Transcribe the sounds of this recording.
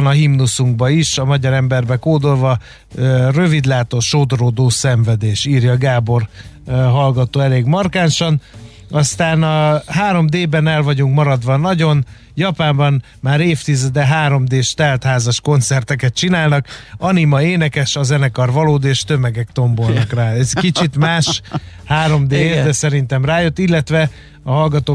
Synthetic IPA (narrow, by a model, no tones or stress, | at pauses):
nɒɦimnusuŋɡ̚bɒiʃɒmɒɟɒɾɛmbɛrbɛkoːd̪o̞lvɒ | rø̞vid̪laːt̪o̞ʃoːd̪oɾoːd̪oːsɛɱvɛd̪eːʃiːrjɒːɡaːbo̞r | ɦɒlɡɒt̪oːɛleːɡmɒrkaːnʃɒn | ɒst̪aːnɒɦaːɾo̞md̪eːbɛnɛlvɒɟuŋkmɒɾɒd̪ʋɒnɒɟo̞n | jɒpaːmbɒn | maːɾeːft̪izɛd̪ɛɦaːɾo̞md̪eːʃt̪ɛlt̪haːzɒʃko̞nt̪sɛrt̪ɛkɛt̪t͡ʃinaːlnɒkɒnimɒeːnɛkɛʃɒzɛnɛkɒrvɒloːd̪eːʃt̪ø̞mɛɡɛkt̪o̞mbo̞lnɒkraːɛzkit͡ʃit̪maːʃhaːɾo̞md̪eːd̪ɛsɛɾin̪t̪ɛmraːjø̞t̪ːilːɛt̪ʋɛ | ɒɦɒlɡɒt̪oː